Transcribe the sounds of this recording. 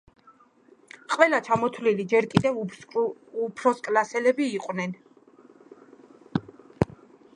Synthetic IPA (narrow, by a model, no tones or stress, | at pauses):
qʼwɛlat͡ʃʰamɔt̪ʰvlilid͡ʒɛɾkʼid̪ɛv | upʰɾɔskʼlasɛlɛbiːqʼwnɛn